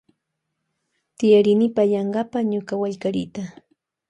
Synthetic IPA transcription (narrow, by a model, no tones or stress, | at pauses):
t̪ɪjaɾɪnɪpajɑɴɢɑpaɲʊkawaʎkaɾɪ̰t̪a